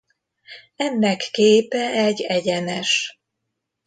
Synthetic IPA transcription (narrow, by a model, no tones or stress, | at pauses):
ɛnːɛkːeːpɛɛɟɛɟɛnɛʃ